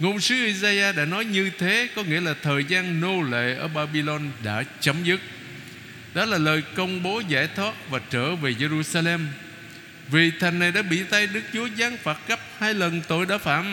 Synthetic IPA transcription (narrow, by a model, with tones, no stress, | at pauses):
ŋo˧˩ŋ͡msɨ˨˦ʔi˧zaː˧jʔaː˧ɗa̰ː˧˥nɔ˨˦jɲɨ˧t̪ʰe˨˦kɔ˨˦ŋḭ˧˥əlaː˨˩t̪ʰəː˨˩jzaː˧nno˧lḛ˧˨ʔəː˧˩ɓaː˧ɓi˧lɔ˧nɗa̰ː˧˥t͡ɕə˨˦mzɨ˦˥k̚ | ɗɔ˨˦laː˨˩ləː˨˩jkə˧wŋ͡mɓo˨˦za̰ː˧˩jt̪ʰwaː˦˥t̚vaː˨˩t͡ɕə̰ː˧˩ve˨˩ze˧zu˧saː˧lɛ˧m | vi˨˩t̪ʰa˨˩jŋ̟na˨˩jɗa̰ː˧˥ɓḭ˧˨t̪a˧jɗɨ˦˥k̚t͡ɕu˨˦əzaː˨˦ŋfaː˨˩t̚ɣə˦˥p̚haː˧jlə˨˩nt̪o˧˩jɗa̰ː˧˥fa̰ː˧˩m